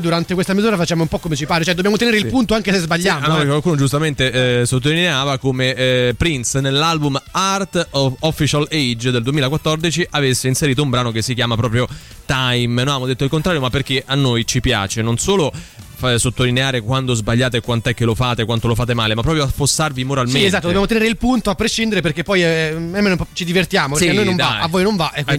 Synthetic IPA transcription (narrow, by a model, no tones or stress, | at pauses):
d̪uɾant̪ekwest̪amizuːɾafat͡ʃːaːmoumpɔkːomet͡ʃipaːɾet͡ʃoɛd̪objamot̪eneːɾeilpunt̪oaŋkesezbaʎːaːnɔkkwalkuːnod͡ʒust̪ament̪esot̪ːolineaːvakomepɾinsnelːalbumart̪ɔfːit͡ʃalejd͡ʒd̪eld̪uemilakwat̪ːɔrd̪it͡ʃiʔavesːeinseɾiːt̪̬oumbɾaːnok̟esːikjaːmapɾɔːpɾjo | t̪ajmnoamːod̪et̪ːoilkont̪ɾaɾjomapːerk̟eʔanːojt͡ʃipja̰ːt͡ʃenonsoːlofsot̪ːolineaːɾekwant̪ozbaʎːaːt̪ekwant̪ɛk̟ːelofaːt̪ekwant̪olofaːt̪̬emaːlemapːɾɔːpjoasfosːarvimoɾalmenezat̪ːodobjamot̪eneːɾeilpunt̪oapːɾeʃːind̪eɾep̬erkepːɔjɛemːenot͡ʃid̪ivert̪jaːmopeɾkeanojnõɱvaavːoːjnoɱvaʔɛkːi